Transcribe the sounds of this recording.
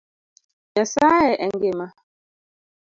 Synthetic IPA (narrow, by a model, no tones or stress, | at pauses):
ɲɛsaɛʔɛŋɡema